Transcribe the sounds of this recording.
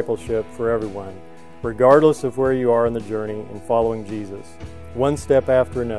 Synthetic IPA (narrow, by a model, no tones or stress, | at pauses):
ɪpl̩ˠʃɪpfə˞ɛvɹiwʌ̃n | ɹɨɡɑɹdˡləsʌvwə˞jɨə˞ɨ̃nðɨd͡ʒɜ˞ñiɨ̰̃nfɑlˠoʊɪ̃ŋd͡ʒizɨs | wʌ̃nstɛpæftə˞ɨnʌ